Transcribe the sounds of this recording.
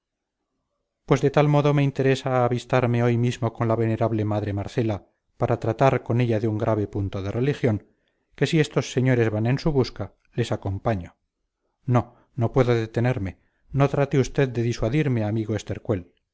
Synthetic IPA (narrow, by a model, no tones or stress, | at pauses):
pwe̞zðe̞t̪almo̞ðo̞me̞int̪eɾe̞saːβist̪aɾme̞o̞jmizmo̞ko̞nlaβe̞ne̞ɾaβle̞maðɾe̞maɾθe̞la | paɾat̪ɾat̪aɾko̞ne̞ʎaðeuŋɡɾʔaβ̞e̞punt̪o̞ðe̞re̞lixjo̞ŋ | ke̞sie̞st̪o̞sːe̞ɲo̞ɾe̞zβanẽ̞nsuβuska | le̞sako̞mpaɲo | no̞ | no̞pwe̞ðoðe̞t̪ene̞ɾme̞ | no̞t̪ɾat̪eust̪e̞ðd̪e̞ðiswaðiɾme̞amiɣoest̪e̞ɾkwe̞l